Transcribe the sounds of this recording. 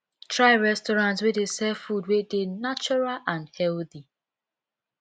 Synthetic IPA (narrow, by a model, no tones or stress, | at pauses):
tɹaɪɹɛstɔɹãntswedesɛfudwedenat͡ʃɔɹalãnhɛlθi